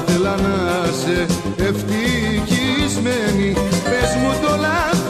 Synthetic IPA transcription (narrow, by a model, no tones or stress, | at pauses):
θelɐnɐse | eft̪icizmenipezmut̪olɐ